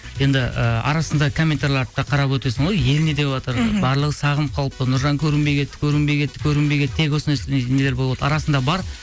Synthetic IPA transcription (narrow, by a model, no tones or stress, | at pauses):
je̞nd̪ɪʔə̰ɑ̰ɾɑsənd̪ɑkʰomʲːent̪aɾlˠɑɾt̪ːɑqʰɑɾɑpwɵt̪e̞sɪɴʁo̞jje̞lne̞d̪e̞wɑt̪əɾbɑɾlˠəʁəsɑʁəmqʰɑlˠəpt̪ənʊɾʒɑŋkʲʰɵɾɪmbe̞jɡʲe̞t̪ːɪ̥kʲʰɵɾɪmbe̞jɡʲe̞t̪ːɪ̥kʲʰɵɾɪmbe̞ɡʲe̞t̪t̪ʰe̞kwo̞sənesened̪eɾbo̞lˠlˠɑd̪əɑɾɑsənd̪ɑbɑɾ